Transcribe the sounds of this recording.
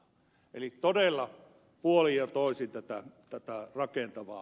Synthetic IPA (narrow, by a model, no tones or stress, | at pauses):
ʔḛlitt̪odelːɑ | puolijjɑt̪oˑisint̪æt̪æt̪æt̪ærɑkent̪ɑʋɑ̰ːˑ